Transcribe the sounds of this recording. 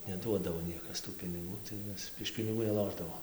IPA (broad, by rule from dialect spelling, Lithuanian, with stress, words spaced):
nʲɛˈduɔdɐʋoː ˈnʲiɛkɐs tuː pʲɪnʲɪˈɡuː tɐɪ ˈmʲɛs ɪʃ pʲɪnʲɪˈɡuː nʲɛˈlˠoːʒdɐʋoːm